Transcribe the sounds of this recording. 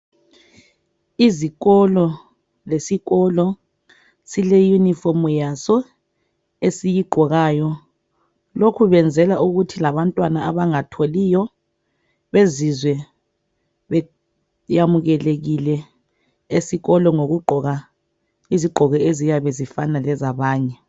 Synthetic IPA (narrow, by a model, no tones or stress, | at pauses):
iziɣɔlɔ | lesiɣɔlɔ | silɛjunifɔmjasɔ | esijiɡ͡ǃʱɔɣaːjɔ | lokʰuβɛnd͡zʱɛlaʔuɣutʰilaβantʼwanaaβaŋatʰolijɔ | βezizwɛ | βɛ | jamuɣɛleɣilɛ | esiɣɔlɔŋoɣuɡ͡ǃʱɔɣa | iziɡ͡ǃʱɔɣɛezijaβezifanalɛzaβaːɲɛ